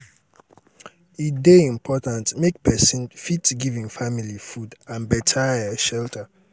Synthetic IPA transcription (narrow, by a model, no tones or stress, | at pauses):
ideĩmpʰɔtãntmek̚pʰɛsĩnfitɡivĩŋfamilifudãnbɛtʰaɛʃɛltʰa